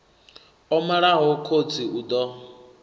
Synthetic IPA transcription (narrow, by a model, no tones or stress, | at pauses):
ɔmaɺaɦɔkʰod͡ziʔud̪ɔ